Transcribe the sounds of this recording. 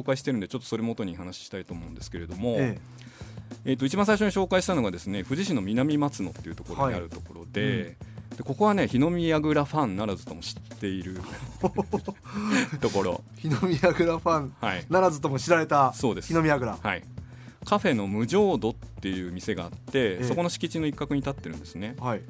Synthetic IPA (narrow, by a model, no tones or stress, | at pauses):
oːkaiɕ̬i̥eɾɯ̟nd̪et͡ɕo̞t̪ːo̥soɾemot̪o̞ɲ̟ihanaɕi̥ɕi̥t̪ait̪o̞ːmõ̞̟nd̪e̞sɨ̥ke̞ɾe̞d̪o̞mo̞ | eːt̪ːo̞it͡ɕibãs̬aiɕ̬o̞ɲ̟iɕo̞ːkaiɕi̥t̪ano̞ɡad̪e̞sɨne̞ɸɯ̟ʑiɕĩnːomʲinamʲimat͡sɨno̞t̪ːe̞iɯ̟t̪o̞̥ko̞ɾoɲea̰ɾɯ̟t̪o̞ko̞ɾo̞̰d̪e̞d̪̥e̞ko̞ko̞βane̞çino̞mʲiaɡɯ̟ɾaɸãnːaɾazɨ̥t̪o̞mo̞ɕi̥t̪ːe̞iɾɯ̟ | t̪o̞ko̞ɾo̞̰ | çinomʲiaɡɯ̟ɾaɸãnhainaɾazɨt̪omoɕiɾaɾe̞t̪aso̞ːd̪e̞sinomʲiaɡɯ̟ɾahai | kaɸe̞no̞mɯ̟ʑo̞ːd̪o̞t̪ːe̞jɯ̟ːmʲise̞ɡa̰ːt̪ːe̞sso̞ko̞no̞ɕi̥kʲit͡ɕino̞ikːakɯ̟ɲ̟it̪at̪ːe̞ɾɯ̟̃nd̪e̞sɨne̞hai